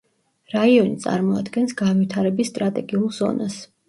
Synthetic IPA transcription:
ɾaiɔnit̪sʼa̰ɾmɔad̪ɡɛnsɡanvit̪ʰaɾɛbisːt̪ʼɾat̪ʼɛɡiulˠz̥ɔ̰nas

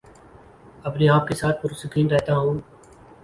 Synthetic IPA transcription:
ɐpneaːp̚kesaːt̪̚pʊɾʊsɪkʰiːnɾɛɦt̪aɦũː

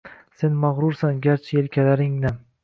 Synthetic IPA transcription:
se̞nmaʁɾʊɾsanɡʲaɾt͡ʃʰɪelkʲʰalaɾɪŋnɪm

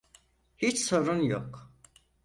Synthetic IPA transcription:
hit͡ʃso̞ɾunjo̰k

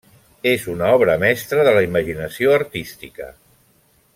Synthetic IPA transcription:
ezunaɔβɾəmɛst̪ɾəðələiməʒinəsioəɾt̪ist̪ikə̰

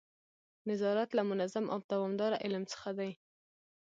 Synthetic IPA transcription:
nɪzɑɾat̪lamʊnazamʔa̰wd̪̥awɑmd̪ɑɾaʔɪlmt͡sə̥xad̪aj

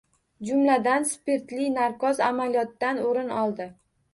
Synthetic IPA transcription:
d͡ʒʊmlad̪anspeɾt̪lijnaɾkɒzamalijɒt̪ːanoɾɪnɒlˠd̪ɪ

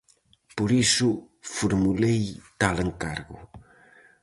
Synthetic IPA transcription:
poɾisʊ | fuɾmulejt̪aleŋkaɾɣʊ̰

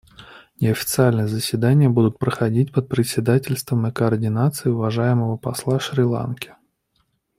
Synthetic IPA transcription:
nʲɪɐfʲɪ̥t̪sɨalʲnɨjəzəsʲvʲɪd̪anʲɪjəbud̪ʊt̪̚pɾəxɐdʲitʲpət̪̚pɾʲɪsʲːɪd̪atʲɪlʲst̪vəmɪkəɐrdʲɪnat̪sɨɪʊvɐʐajɪməvəpɐslˠaʂɾʲɪlˠa̰nkʲɪ̥

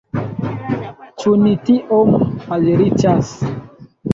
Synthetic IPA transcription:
t͡ʃunitiʔomaleɾit͡ʃas

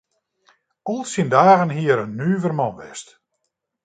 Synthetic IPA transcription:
ɔlˠsindaːɣənɦiəɾənːyːvərmɔnʋɛ̰st

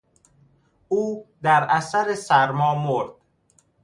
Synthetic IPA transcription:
uːd̪æɾæsæɾesæɾmɒːmoɾd̪̥

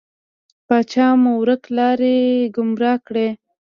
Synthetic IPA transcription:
pɑt͡ʃɑmuwɾəklɑɾeɡʊmɾɑkɽe

